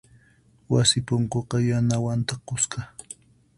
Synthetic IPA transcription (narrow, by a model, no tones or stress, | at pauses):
wasɪpoɴkoqɑjanawant̪aqʊskɑ